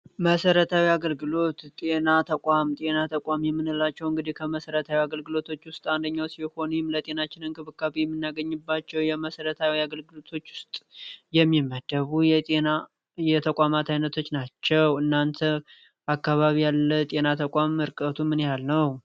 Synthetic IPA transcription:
məsəɾət̪ʰawiaɡəlɡɨlo̞t̪t̪ʼe̞nat̪ʰəkʼamt̪ʼe̞nat̪ʰəkʷʼamjɛmːɨnɨlːat͡ʃːɛwɨŋɡɨd̪ihkʰəməsəɾət̪ʰawiaɡəlɡɨlo̞t̪ʰo̞t͡ʃːwʊst̪ʼand̪əɲːawsiho̞nujɪmlət̪ʼe̞nat͡ʃːɪnɨnkʰʼɨβɨkʰːaβejɛmːɨnːaɡəɲːɨbːat͡ʃːɛwjɛməsəɾət̪ʰawiaɡəlɡɨlo̞t̪ʰo̞t͡ʃːwʊst̪ʼjɛmːimːəd̪əβujɛt̪ʼena | jɛt̪ʰəkʷʼamat̪ʰajnət̪ʰo̞t͡ʃːnat͡ʃːɛwɨnːant̪ʰə | akːaβaβijalːət̪ʼe̞nat̪ʰəkʷʼamɨɾkʼət̪ʰumɨnjalnəw

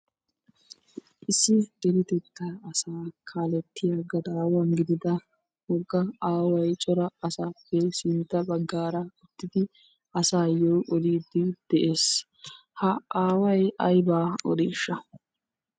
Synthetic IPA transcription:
ʔɪsːɪd̪̥ɛɾɪt̪ɛt̪ːɐɐsaːkʰaːlɛt̪ːɪjaɡɐd̪ɐːwɐnɡɪd̪ɪd̪ɐ | hɔɡːɐaːwɐjt͡ʃʼɔɾɐɐsaːpːɛsɪnt̪ːɐbɐɡːaːɾɐʊt̪ːɪd̪ɪ | ɐsaːjoːʔɔd̪iːd̪ːɪd̪̥ɛʔe̞ːs | hɐaːwɐjʔɐ̰jbaːɔ̰d̪iːʃːɐ

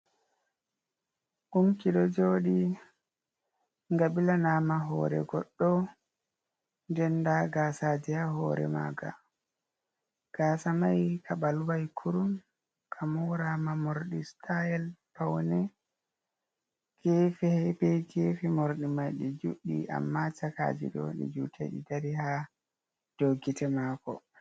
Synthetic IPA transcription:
ʔumkiɗɔd͡ʒoːɗi | ŋɡaɓilanamaɦɔ̰ɾɛ̰ɡɔɗːɔ | nd͡ʒɛndaɡasadihahɔ̰ːɾɛ̰ma̰ːɡa̰ | ɡ̥aːsamajkʰaɓalwajkʰuɾum | kʰamuɾamamoɾɗistʰajɛlpawnɛ | ɡ̥efihɛbɛɡefimoɾɗimajɗid͡ʒuɗːḭʔa̰mːat͡ʃaka̰ːd͡ʒḭɗɔ̰ɗḭd͡ʒutʰḛɗḭdaɾiha | d̥oɡitʰɛmaːkɔ

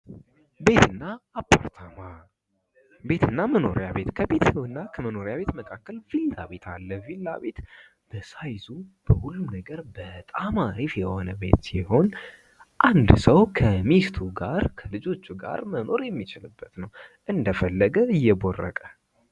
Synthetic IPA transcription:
be̞t̪ʰɨnːaːpʰːa̰ɾt̪ʰama | be̞t̪ʰɨnːaməno̞̰ɾjaβe̞t̪kʰəbe̞t̪wɨnːakʰəməno̞ɾjaβe̞t̪məkʰakːəlv̥ilt̪aβe̞t̪ʰalːəvilːa̰βe̞t̪ | b̥əsajzub̥əhulːumnəɡəɾbət̪ʼamaɾifjɛho̞nəbe̞̰t̪siho̞n | ʔand̪səwkʰəmist̪ʰuɡaɾkʰəlɨd͡ʒo̞t͡ʃːuɡa̰ɾməno̞ɾjɛmːit͡ʃɪlɨbːət̪nəwʔɨnd̪əfəlːəɡəɨjːɛborːə̰kʼə

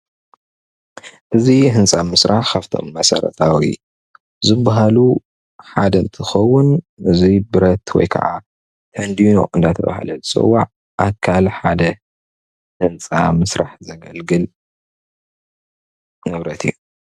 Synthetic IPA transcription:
ʔɨziɦɨnt͡sʼamɨsɾʔaħkʰaft̪ʰo̞̰mːɐsɐ̰ɾɐ̰t̪ʰawi | zɨbːaɦalu | ħad̪ɐnt̪ʰɨxɐwːʊn | ʔɨzibɨɾɐt̪wɔ̰jkʰɐ̰ʕa | t̪ʰɐnd̪ino̞̰ʔɨnd̪at̪ʰɐβa̰ha̰lɐzɨt͡sʼɨ̰wːaʕ | ʔakʰalħad̪ɐ | hɨnt͡sʼamɨsɾaħzɐɡɐ̰lɡɨl | nɨβɾɐt̪ʰiju

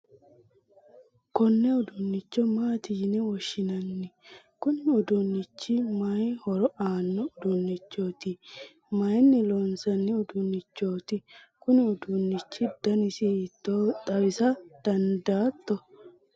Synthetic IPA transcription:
kɔnːɛʊd̪ʊnːɪt͡ʃːɔmaːt̪iːnɛwɔʃːɪnɐnːɪ | kʊnɪʊd̪ʊnːɪt͡ʃːɪmɐjhɔɾɔaːnːɔʊd̪ʊnːɪt͡ʃːo̞ːt̪ɪ | mɐjnːɪloːnsɐnːɪʊd̪ʊnːɪt͡ʃːo̞ːt̪ɪ | kʊnɪʊd̪ʊnːɪt͡ʃːɪd̪̥ɐnɪsɪt̪ːot̪ʼɐwɪsɐd̪̥ɐnd̪aːt̪ːɔ

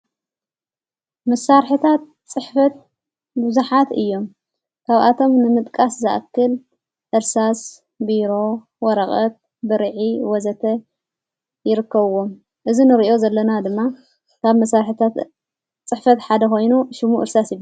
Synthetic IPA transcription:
mɐsːaɾħɨt̪ʰat̪̚ | t͡sʼːɨħfɐt̪̚ | bɨzuħat̪ɨ̰jːo̞m | kʰaβʔa̰t̪ʰo̞mnɨmɨt̪ʼkʼaszɨʔkːɨl | ʔɨɾsas | biɾo̞ | wɔɾɐχʼɐt̪̚ | bɨɾʕiwɔzɐt̪ʰɐ | jɪɾɨkːɐβɨwːom | ʔɨzinɨɾiʔo̞zɐlːɐnad̪ɨmːa | kʰaβmɐsːaɾħɨt̪ʰat̪ | t͡sʼɨħfɐt̪ħad̪ɐxo̞jnuʃɪmṵʔɨɾsasjɪβ

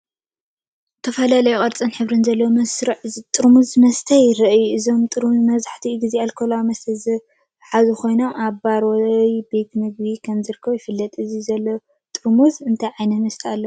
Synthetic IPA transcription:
t̪ʰɐfɐlalɐjuχʼɐɾt͡sʼɐnħɨβɾɨnzɐlːɐwomɐsɾɨʕt̪ʼɨɾmuzmɐst̪ʰɐjɾɐʔɨjuɨzo̞mt̪ʼɨɾmuzmɐzaħt̪ʰiɡɨzialkʰolawmɐst̪ʰɐzɨ | ħazuxʰo̞jnomaβbaɾojbe̞t̪mɨɡ̚bikʰɐmzɨɾɨkʰːɐβujɪfɨlːɐt̪ʼɨzizɐlːo | t̪ʼɨɾmuzɨnt̪ʰajʕajnɐmɐst̪ʰɐalːɐu

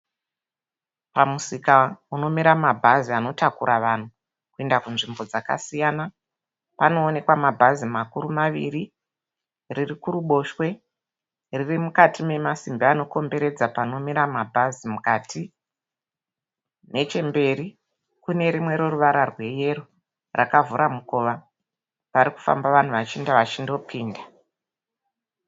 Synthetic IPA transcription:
pamusikauno̞miɾamabʱaziano̞takuɾʔaʋan̤u | kue̞ndakunʐimbo̞d͡zaka̰sijana | pano̞ːne̞kwamabʱazimakuɾumaʋḭri | ririkuɾuɓo̞ʃwe̞ | ririmukatime̞masimbiano̞ko̞mbe̞ɾe̞d͡zapano̞miɾamabʱazimukatʰi | ne̞t͡ʃe̞mbe̞ɾi | kune̞ɾimwe̞ɾo̞ruʋaɾarwe̞je̞ru | rʔakavuɾʔamuko̞ʋa | paɾiku̥fa̰mbaʋan̤uʋat͡ʃindaʋat͡ʃindo̞pʰiːnda

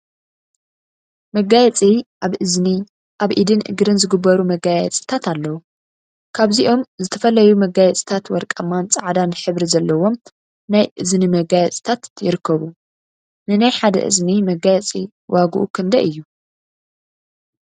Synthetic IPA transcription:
mɐɡajɛt͡sʼiʔaβʔɨzni | ʔaβʔid̪ɨnʔɨ̰ɡɾɨnzɨɡɨbːɐɾumɐɡajɛt͡sʼi̥t̪ʰat̪alːɐwu | kʰaβziʔo̞mzɨt̪ʰɐfɐlɐjumɐɡajɛt͡sʼi̥t̪ʰat̪wɐɾkʼɐmant͡sʼaʕd̪anħɨβɾizɐlːɐwo̞m | najʔɨznimɐɡajɛt͡sʼi̥t̪ʰat̪jɪɾɨkʰːɐβu | nɨnajħad̪ɐ̰ʔɨ̰znimɐɡajɛt͡sʼi | waɡuʔukʰɨnd̪ɐʔɨjːu

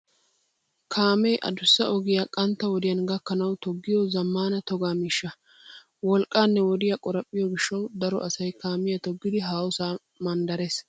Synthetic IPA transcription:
kʰaːmɛjʔɐ̰d̪ʊsːɐʔɔɡɪjakʼɐnt̪ːɐwɔd̪ɪjɐnɡɐkːɐnɐwt̪ɔɡːɪjɔzɐmːaːnɐt̪ɔɡaːmiːʃːɐ | wɔlkʼːaːnːɛwɔd̪ɪjɐkʼɔɾɐpʼːɪjɔɡɪʃːɐwd̪ɐɾɔ̰ʔɐsɐjkaːmɪjɐt̪ɔɡːɪd̪ɪɦaːwʊsaː | mɐnd̪ɐɾes

